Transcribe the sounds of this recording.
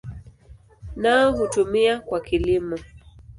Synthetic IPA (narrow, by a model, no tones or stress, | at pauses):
naɔɦutumiakwakilimɔ